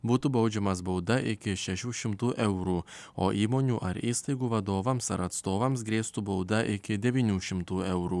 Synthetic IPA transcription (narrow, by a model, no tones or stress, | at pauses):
buːt̪ubɐʊd͡ʒʲɛmɐsbɐʊd̪ɐʔɪkʲɪʃʲɛʃʲuːʃʲɪmt̪uːʔɛʊɾuː | o̰ːʔiːmoːnʲuːʔɐɾiːst̪ɐɪɡuːʋɐd̪oːʋɐmsɐɾɐt̪st̪oːʋɐmsɡɾʲeːst̪uːbɒʊd̪ɐʔɪkʲɪd̪ʲɛʋʲiːnʲuːʃʲɪmt̪uːɛʊɾuː